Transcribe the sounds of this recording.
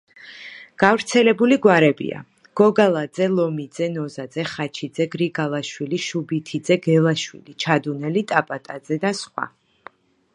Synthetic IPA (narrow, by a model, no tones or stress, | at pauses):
ɡ̥avɾt̪sʰɛlɛbuliɡwaɾɛbḭa̰ | ɡ̥ɔɡalˠad̪zɛlˠɔmid̪zɛnɔzad̪zɛχat͡ʃʰid̪zɛɡɾiɡalˠaʃwiliʃubit̪ʰid̪zɛɡɛlˠaʃwḭlit͡ʃʰad̪unɛlit̪ʼapʼat̪ʼad̪zɛd̪asχwa̰